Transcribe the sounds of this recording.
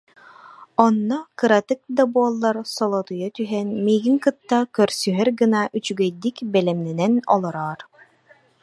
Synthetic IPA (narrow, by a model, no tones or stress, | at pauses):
ɔnːɔkɯɾat̪ɯk̚d̪abuɔlˠːaɾsɔlˠɔt̪ujɔt̪yɦɛnmiːɡiŋkɯt̪ːakœɾsyɦɛɾɡɯnaʔyt͡ʃyɡɛjd̪ikbɛlɛmnɛnɛnɔ̰lˠɔɾɔːɾ